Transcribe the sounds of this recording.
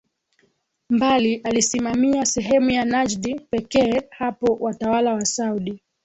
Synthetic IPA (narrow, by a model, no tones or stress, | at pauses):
mbaliʔalisimamiasɛɦɛmujanad͡ʒɗipɛkɛːhapɔwʔatawalawasauɗi